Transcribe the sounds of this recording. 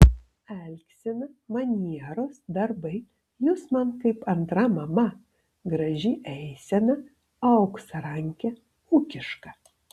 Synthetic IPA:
ɛlʲksʲɪnɐmɐnʲiɛɾoːsd̪ɐɾbɐɪ | jʊsmɐnkɐɪpɐnt̪ɾɐmɐmɐ | ɡɾɐʒʲɪʔɛɪsʲɛnɐ | ɐʊksɐɾɐŋʲkʲɛ | uːkʲɪʃkɐ

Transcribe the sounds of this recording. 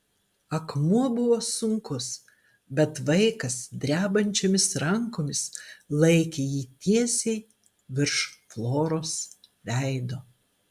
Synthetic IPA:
ɐkmuɔbʊʋoːsʊŋkʊs | bʲɛt̪ʋɐɪkɐsd̪ʲɾʲæːbɐnʲt͡ʃʲoːmʲɪsɾɐŋkoːmʲɪslˠɐɪkʲeːjiːt̪ʲiɛsʲɛɪ | ʋʲɪɾʃflˠoːɾoːsʋʲæɪd̪oː

